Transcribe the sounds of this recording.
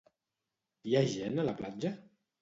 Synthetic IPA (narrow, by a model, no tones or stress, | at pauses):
jaʒɛnələplad͡ʒə